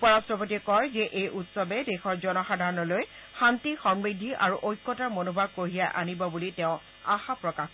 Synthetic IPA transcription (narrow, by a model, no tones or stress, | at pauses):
upɔɹastɹɔpotiɛkɔjzɛʔejʔutsɔbɛdexɔɹzɔnɔxadʱaɹɔnɔloj | xantixɔmɹidʱiʔa̰ɹuʔojkːɔtamonobʱaɡ̚koɦijaʔa̰nibɔbuliteʊ̃ | axapɹɔkax